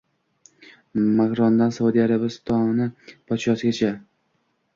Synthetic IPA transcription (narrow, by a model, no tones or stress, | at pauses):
makɾɒnd̪ansaud̪iaɾabɪst̪ʰɒnɪpʰɒt̪ʰʃɒsɪɡʲat͡ʃʰa